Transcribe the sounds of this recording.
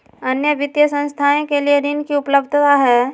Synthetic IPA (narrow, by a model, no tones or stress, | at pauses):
ɐnjəʋɪt̪jəsə̃ñst̪ʰaẽkelieɾinkiʊpləbd̪ʱt̪aɦɛː